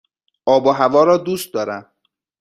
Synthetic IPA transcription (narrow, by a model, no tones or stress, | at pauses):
ʔɒːboɦævɒːɾɒːd̪uːst̪̚d̪ɒːɾæm